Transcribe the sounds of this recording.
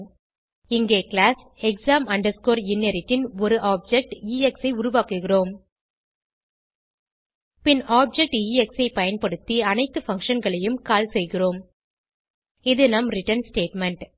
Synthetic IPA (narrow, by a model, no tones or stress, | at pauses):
ɪŋɡeːkɭaːs | ɛksaːmɐɳɖɐɾskoːɾɪnːeɾɪʈːɪnɔɾɯʔaːb̚d͡ʒɛk̚ʈiːɛksɐɪʊɾʊʋaːkɯɣɪroːm | pɪnaːb̚d͡ʒɛk̚ʈiːɛksɐɪpɐjɐnpɐɽɯt̪ːiɐnɐɪt̪ːɯfɐŋkʂɐnɡɐɭɐjɯmkaːlsɛjɣɪroːm | ɪðɯnɐmɾɪʈɐɾnsʈeːʈmɛɳʈ